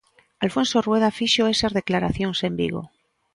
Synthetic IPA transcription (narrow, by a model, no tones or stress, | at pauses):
alfõ̞nsorweð̞afiʃoe̞sazðe̞klaɾaθjo̞nse̞mbḭɣ̞o̰